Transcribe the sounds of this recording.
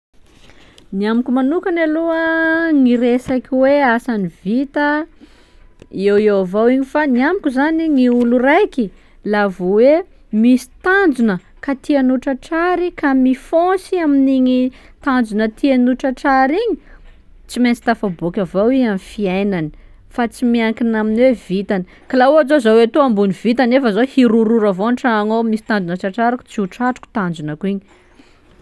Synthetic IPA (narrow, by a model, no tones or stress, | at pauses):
niamukʲumanukanaluəŋiɾesakʲiweasanivit̪ə | ewewavawiɲifaniamikʲuzaniŋiulurajki | lavuwe | misi̥t̪and͡zunə | kat̪ianuʈ͡ʂəʈ͡ʂaɾikamifõsiaminiɲi | t̪and͡ʒunət̪ʰianuʈ͡ʂaʈ͡ʂaɾiɲi | t͡siment͡si̥t̪afabokʲavowiamifiajnani̥ | fat͡simiaŋkinaminwevit̪ani | kalaoazozawet̪uambuniv̥it̪anefəzohiɾuɾuɾavonʈ͡ʂaːŋomisi̥t̪and͡zd͡ʒunəʈ͡ʂaʈ͡ʂaɾaku̥t͡siuʈ͡ʂaʈ͡ʂu̥ku̥t̪and͡zunakuiɲi